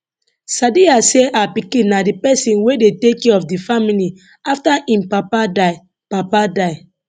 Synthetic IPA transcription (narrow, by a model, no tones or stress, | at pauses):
sadiaseʔapikĩnadipɛsĩnwedetekɛɔfdifamili | aftaʔĩmpapada | papadaɪ